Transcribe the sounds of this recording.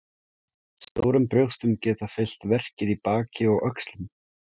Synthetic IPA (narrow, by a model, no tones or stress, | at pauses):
st̪oːwɾʏmpɾjœwxst̪ʏmcɛːt̪afɪl̥t̪vɛr̥cɪðipaːcɪɔɣʔœkst̪lʏm